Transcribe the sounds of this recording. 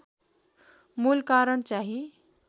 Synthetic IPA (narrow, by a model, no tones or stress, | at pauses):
mulkaɾəɳt͡ʃaɦi